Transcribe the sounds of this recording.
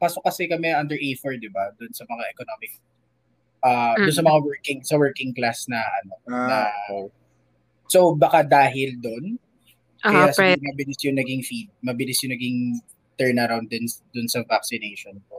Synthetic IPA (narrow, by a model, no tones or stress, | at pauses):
paːsokɐsɛkɐmɛʔɐnd̪ɛɹʔɛjfɔɹd̪ɪbad̪ʊnsɐmɐŋaʔɛkonomɪk̚ | ʔad̪ʊnsɐmɐŋawɛɹkɪŋsɐwɛɹkɪŋklasnɐʔɐno̞nɐ | sobɐkad̪aːɦɪld̪o̞n | ʔɐjasmɐbɪlɪsjʊŋnɐɡɪŋfid̪̚mɐbɪlɪsjʊŋnɐɡɪŋ | t̪ɛɹnɐɾawnd̪ʊnd̪ʊnsɐvaksɪnejʃonpo